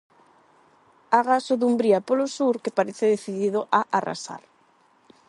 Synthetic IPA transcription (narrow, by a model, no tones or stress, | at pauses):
aɣasoðumbɾiapolosuɾkepaɾeθɪðeθiðiðoʔaʔara̰sa̰ɾ